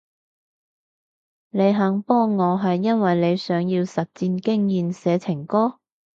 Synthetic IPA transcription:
ne˨˧jɦɐ˨˥ŋpɔː˥ŋːɔː˨˧ɦɐ˨jːɐ˥nwɐ˨jle˨˧jsœː˨˧˥ŋjiː˧wsɐ˨t̚t͡siː˧nkɪ˥ŋjiː˨nsɛː˨˧t͡sʰɪ˨˩ŋkɔː˥

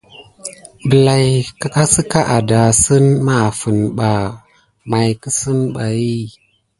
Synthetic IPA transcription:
bə˨la˨jka˦ka˦sə˦ka˦ʔa˨da˨sə˦nma˨fə˨nɓa˨ | ma˨jkə˦sə˦nɓa˨ji˦

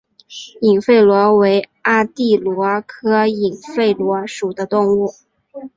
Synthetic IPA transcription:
i˨˩ŋfe˥˩ɪlwɔ˧˥we˧˥ɪ | a˥t̪i˥˩lwɔ˧˥kʰɤ˥i˨˩ŋfe˥˩ɪlwɔ˧˥ʂu˨˩d̪ə˦t̪ʊ˥˧ŋu˥˩

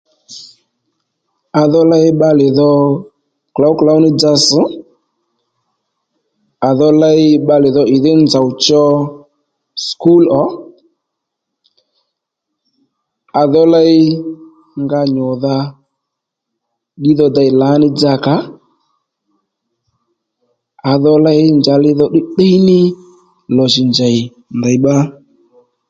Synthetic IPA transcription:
a˧ðɔ˦la˦ɪ˦ɓa˧lɪ˨ðɔ˧ | kla˨˦wkla˨˦wnɪ˦d͡za˧sɪ˨˦ | a˨ðɔ˦la˦ɪ˦ɓa˧lɪ˨ðɔ˧ɪ˨ðɪ˦nd͡za˨wt͡ʃɔ˧ | sku˦lɔ˨˦ | a˨ðɔ˦la˦j | ŋɡa˧ɲɔ˨ða˧ | ɗi˦ðɔ˧da˧jla˨˦nɪ˦d͡za˧˨ka˨˦ | a˨ðɔ˧la˦jnd͡ʒa˨lɪ˧ðɔ˦ɗɪ˦ɗɛ˦jnɪ˦ | lɔ˨ʃɪ˨nd͡ʒa˨jɪ˨ | nda˨jɓa˦

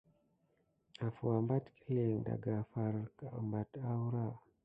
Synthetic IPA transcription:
a˨fu˨a˨mba˦tki˦le˨ŋda̰˨ɡa˨fa˨ɾka˨mba˨ta˦wɾa˦˨

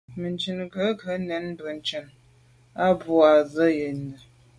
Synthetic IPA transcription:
mə˨nt͡ʃə˨nɡə˨˦kʰə˨˦nɛ˨˦n˦bə˨n̩˨˦t͡ʃə˨n | a˦bu˦a˨zə˦je˨nə˨

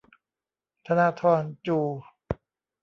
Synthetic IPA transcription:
t̪ʰa˧na˧˥t̪ʰɔː˧nt͡ɕuː˧˩

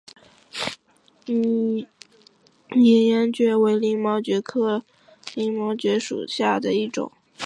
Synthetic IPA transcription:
ɛ˧˥njɛ˧˥nt͡ɕɥɛ˥˩we˧˥ɪli˥˩ŋmɑ˧˥ʊt͡ɕɥɛ˧˥kʰɤ˥˧ | li˥˩ŋmɑ˧˥ʊt͡ɕɥɛ˧˥ʂṵ˨˩ɕja˥˩d̪ə˩i˥˩ʈ͡ʂʊ̰˨˩˦

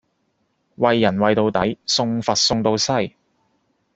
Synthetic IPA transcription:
wɐ˨jːɐ˨˩nwɐ˨jt̪o˨˧wt̪ɐ˨˥jsʊ˧ŋfɐ˨t̚sʊ˧ŋt̪o˨˧wsɐ˥j

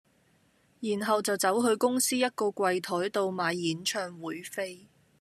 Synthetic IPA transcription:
jiː˨˩nɦɐ˨wt͡sɐ˨wt͡sɐ˨˥wɦɵ˧ɥkʊ˥ŋsiː˥jɐ˥t̚kɔː˧kʷɐ˨˧jt̪ʰɔː˨˥jt̪o˧wmaː˨˧jːiː˨˥nt͡ʃʰœː˧ŋwuː˨˥jfe˥j

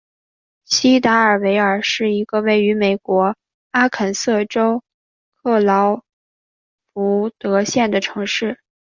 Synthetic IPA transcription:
ɕi˥t̪a˧˥ə˞˨˩we˧˥ɪə˞˨˩ʂɻ̩˥˩i˧˥ɡ̥ə˧we˥˩ɪy˧˥me˨˩ɪkwɔ˧˥ | a˥kʰə˨˩nsɤ˥˩ʈ͡ʂo˥ʊ | kʰɤ˥˩lɑ˧˥ʊ | pu˧˥t̪ɤ˧˥ɕjɛ˥˩nd̪ə˩ʈ͡ʂʰɤ˧˥ŋʂɻ̩˥˩

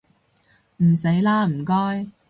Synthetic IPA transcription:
m̩˨˩se˨˥jlaː˥m̩˨˩kɔː˥j

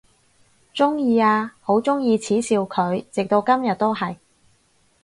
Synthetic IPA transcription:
t͡sʊ˥ŋjiː˧aː˧ho˨˥wt͡sʊ˥ŋjiː˧t͡sʰiː˨˥siː˨˧wkʰɵ˨˧ɥt͡sɪ˨k̚t̪o˧wkɐ˥mjɐ˨t̚t̪ːo˥wɦɐ˨j

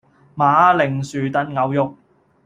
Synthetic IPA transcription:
maː˨˥lɪ˨˩ŋsyː˨t̪ɐ˧nŋɐ˨˧˥wjʊ˨˧k̚

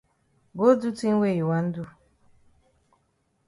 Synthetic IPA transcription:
ɡo˦du˦ti˦n̩˦we˦˨ji˨wa˨n̩˦du˦

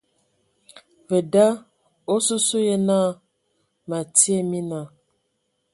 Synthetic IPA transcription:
və˨da˦ | o˦su˦su˦je˦na˦ | ma˨ti˦e˦mi˦na˨

